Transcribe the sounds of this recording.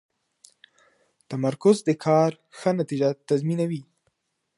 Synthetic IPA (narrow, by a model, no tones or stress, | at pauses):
t̪amaɾkʊzd̪əkʰɑɾ | xənat̪id͡ʒat̪azminawi